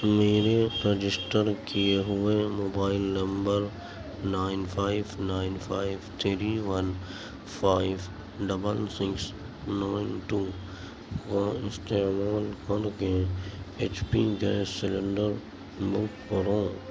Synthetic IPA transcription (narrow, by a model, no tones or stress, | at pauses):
meːɾeɾəd͡ʒɪsʈəɾkijeɦʊemoːbaːɪlnə̃mbəɾ | naːɪnpʰaːɪbnaːɪnfʰaːɪʋt̪ʰɾiʋɐn | pʰaːɪʋ | ɖɐbəlsɪks | naːɪnʈuː | koɪst̪emaːlkəɾkeeːt͡ʃpid͡ʒesːɪlə̃ɳɖəɾ | mʊkkəɾõː